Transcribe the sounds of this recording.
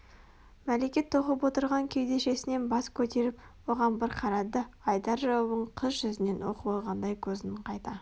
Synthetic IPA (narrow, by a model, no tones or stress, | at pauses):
mæle̞kʲe̞t̪ʰːo̞qəpwo̞t̪əɾʁɑŋkʲʰejd̪e̞ʃe̞sɪne̞nbɑskʲʰɵt̪e̞ɾɪpwo̞ʁɑnbɪɾqʰɑɾɑd̪əɑjd̪ɑɾʒɑwubəɴqʰəzʒʏzɪne̞nwo̞̰qəbolˠʁɑnd̪ɑjkʲʰɵzɪɴqʰɑjt̪ɑ